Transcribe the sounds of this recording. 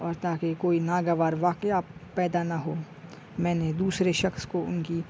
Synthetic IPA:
ɔːɾt̪aːkekoːinaːɡəʋaːɾʋaːkɪapɛːd̪anɐɦoː | mɛ̃ːned̪uːsɾeʃɐxskoʊnki

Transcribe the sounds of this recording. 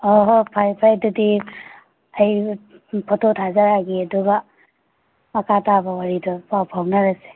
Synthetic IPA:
ɔɦopʰajpʰajdudi | ɐj | pʰɔtʰotʰazaɾaɡiɐduɡɐ | mɐkʰatabɐwaɾidɔpawpʰawnaɾase̥

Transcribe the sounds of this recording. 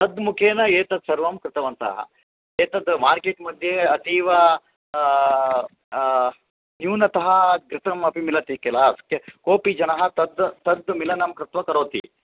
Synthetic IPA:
t̪ɐd̪mukʰeːnɐeːt̪ɐd̪sɐɾʋɐmkɾɪt̪ɐʋɐnt̪ɐ̰ɦɐ̰ | eːt̪ɐd̪maːɾkeːʈmɐd̪ʱjeɐt̪iːʋɐ | njuːnɐt̪ɐɦɐ̆ɡɾɪt̪ʰɐmɐpimilɐt̪ikɛlaːskekoːpid͡ʒɐnɐɦɐ̆t̪ɐd̪t̪ɐd̪milɐnɐmkɾɪt̪ʋɐkɐɾoːt̪ḭ

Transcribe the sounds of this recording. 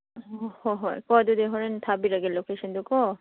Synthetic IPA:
hɔɦɔjkɔd̪ud̪eɦɔɾent̪ʰabiɾaɡelokeʃɔnd̪ukɔ

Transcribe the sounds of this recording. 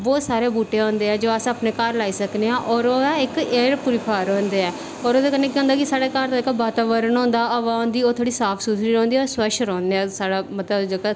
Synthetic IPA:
ʋoːsaːɾeːbuːʈeːõːnd̪eːɛːd͡ʒoːəsaːpneːkaːɾlaːiːsəkneːãːʔɔːɾoːɪkeːɾpʊɾɪpʰaːɾɦõːnd̪eːɛː | ɔːɾoːd̪eːkənːẽːkːõːnd̪aːkɪsaːɽeːkaːɾt̪õːɪkbaːt̪aːʋəɾənɦõːnd̪aːəʋãːõːnd̪iːoːt̪ʰoːɽiːsaːpʰsuːsʰɾiːɾɔ̃ːnd̪iːɔːɾswəʃɾɔ̃ːnd̪eːɛːsaːɽaːmət̪ləbd͡ʒoka

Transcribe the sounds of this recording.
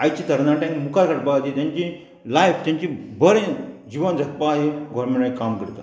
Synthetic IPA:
ajt͡ɕiːt̪əɾnaʈãkmukʰakaʈbaɡat̪it̪jãɲt͡ɕi | lajft̪jaɲt͡ɕibəɾẽd͡ʑiʋənd͡zʱət̪̚paːɦeɡʱɔɾmeɽẽkamkəɾt̪a̰

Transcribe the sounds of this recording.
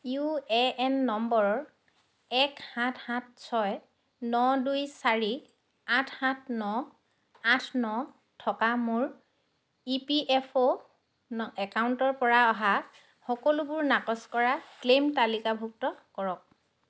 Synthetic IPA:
juɛɛnːɔmbɔɹɔɹ | ɛkhãtʰhãt̚ʰsɔj | nɔdujsaɹi | atʰhãtʰnɔ | atʰnɔ | tʰɔkamʊɹ | ipiʔɛpʰo | nɛkawntɔɹpɔɹaɔɦa | xɔkɔlubʊɹnakɔskɔɹaklemtalikabʱuk̚tɔkɔɹɔk̚

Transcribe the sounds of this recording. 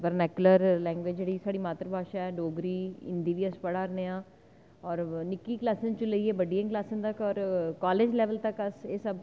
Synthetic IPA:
ʋəɾnɛːkjʊləɾlɛ̃ːŋɡʋɪd͡ʒeɽiːsaːɽiːmaːt̪əɾbʱaːʃaːɛːɖoːɡɾiːɪ̰̃nd̪iːʋiːəspəɽaːɾneːãː | ɔːɾnɪkːiːklaːsɪ̃nt͡ʃõləieːbəɖiə̃ŋklaːsɪnt̪əkɔːɾkaːleːd͡ʒlɛːʋəlt̪əkəseːsəb

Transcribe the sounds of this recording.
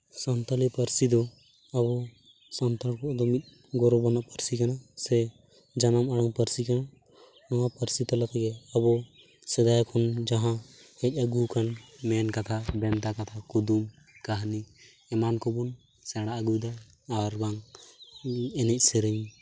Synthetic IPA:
sɔnt̪alɛpəɾsid̪ɔ | abɔ | sɔnt̪alkɔʔd̪ɔmit̪̚ˀ | ɡɔɾɔbɔnaʔpəɾsikanasɛ | d͡ʒanamaɽaŋpəɾsikana | nɔwapəɾsit̪ɔlat̪ʰɛɡɛabɔ | sɛd̪ajkʰɔnd͡ʒaɦã | ɛc̚ˀəɡukanmɛnkat̪ʰabɛnt̪akat̪ʰakud̪um | kaɦni | ɛmankɔbun | sɛɽ̃aʔəɡujd̪aː | ɾbaŋ | ɛnɛc̚ˀsɛɾəɲ

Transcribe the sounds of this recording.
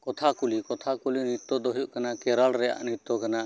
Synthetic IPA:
kɔt̪ʰakulikɔt̪ʰakulinit̪ːɔd̪ɔɦjuʔkanakɛɾalɾɛja̰ʔnit̪ːɔkana

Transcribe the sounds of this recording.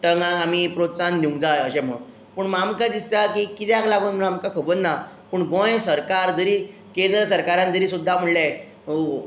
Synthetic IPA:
ʈəŋɡãamipɾot̪sand̪iũŋɡd͡zajəɕem̤ə | pəɳmamkad̪ist̪akikit̪jaklaɡuːnm̤əɭamkakʰəbənna | pəːɳɡõjsəɾkaɾd͡zəɾiː | kend̪ɾəsəɾkaɾãnd͡zəɾiːsud̪ʱːam̤əɭla

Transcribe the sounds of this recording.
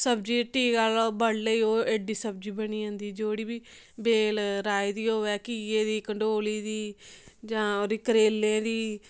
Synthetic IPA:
səbd͡ʒiːʈiːɡəlbəɽləiːoːeɖiːsəb̚d͡ʒiːbəɳiːãːnd̪iːd͡ʒoːɽiːbiː | beːlɾaːiːd̪iːɦoːʋɛːkiːeːd̪iːkəɳɖoːliːd̪iːd͡ʒãːoːd̪iːkɾeːlːẽːd̪iː

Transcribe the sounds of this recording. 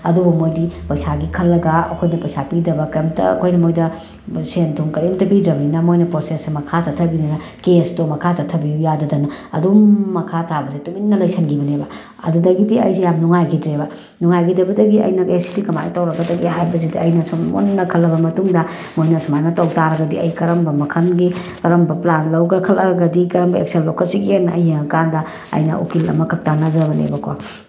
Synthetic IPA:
ɐdubumojdipɐjsaɡikʰɐlːɐɡaɐkʰojnɐpɐjsapidɐbɐkemtʰɐ̰ɐ̰kʰojnɐmojdɐ | sentʰuŋkɐɾemtɐbidɾɐminɐmojnɐpɾosesmɐkʰazɐtʰɐbidanɐkestomɐkʰazɐtʰɐbijujadɐdɐnɐɐ̰dumːɐkʰatʰabɐzetuminnːɐlɐjsʰɐnɡibɐnebɐ | ɐ̰dudɐɡidiɐ̰jsejamnuŋajɡʰidɾebɐ | nuŋajɡidɐbɐdɐɡiɐ̰jnɐkesi̥tikɐma̰jtawɾɐɡɐdɐɡiɦajbɐzediɐjnɐsumo̰nnɐkʰɐlɐbɐmɐtuŋdɐ | mojnɐsumajnɐtawtaɾɐɡɐdiɐjkɐɾɐmbɐmɐkʰɐnɡi | kɐɾɐmbɐplanlɐwɡɐkʰɐlɐɡɐdikɐɾɐmbɐḛkselːokɐlsiɡienɐʔɐjheŋɐkandɐ | ɐ̰jnɐ̰ʔo̰kilɐ̰mɐkʰɐk̚tanɐzɐbɐnḛbɐkwa̰

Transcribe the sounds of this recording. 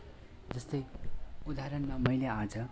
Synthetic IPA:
d͡zʌst̪ʌjud̪aɾʌnmamʌjlead͡zʌ

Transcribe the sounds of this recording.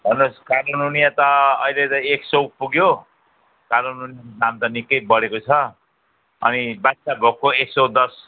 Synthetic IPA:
bʱʌnoskaɾonunijat̪ʌʌ̰ilet̪ʌeksow̚puɡjo | kaɾonunijakodamt̪ʌnikːʌjbʌɽekot͡sʰʌ | ʌ̰nibatsabʱokːoeksod̪ʌs

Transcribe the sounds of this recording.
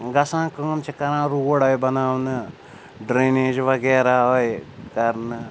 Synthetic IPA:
ɡɐsãːkɐŋɐmt͡ʃʰikɐɾãːɾuwoɽajbɐnaːwnɨ | ɖɾeneːd͡ʒʋɐɡɛːɾaːɦojkɐɾnɨ

